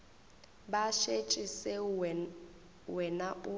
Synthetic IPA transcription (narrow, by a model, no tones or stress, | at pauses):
baʃet͡ʃʼisɛ | wɛnaʔʊ